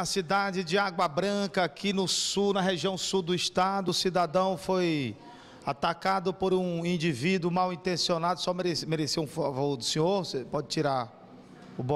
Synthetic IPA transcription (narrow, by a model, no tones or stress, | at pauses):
ɐsid̪ad͡ʒɪd͡ʒɪaɡwɐbɾɐ̃kɐakinʊsunɐɦeʒiɐ̃w̃suwd̪ʊist̪ad̪ʊːsid̪ad̪ɐ̃w̃foj | at̪akad̪ʊpoɾũĩd͡ʒivid̪ʊmawĩnt̪ẽsionad̪ʊsɔmɾesmeɾeseũfavod̪ʊsẽoɾsepɔd͡ʒɪt͡ʃiɾa | ʊbɔ